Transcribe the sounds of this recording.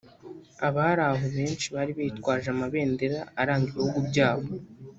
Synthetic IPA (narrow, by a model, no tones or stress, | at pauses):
aβaaɾaɦoβe̞ːnt͡ʃiβaːɾiβejitkwaːʒamaβe̞ːnde̞ɾaːɾaːŋɡiɾehuɡubɟaːβo̞